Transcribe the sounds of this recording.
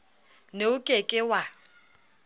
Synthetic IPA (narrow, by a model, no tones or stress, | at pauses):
neʊkʼekʼɪwa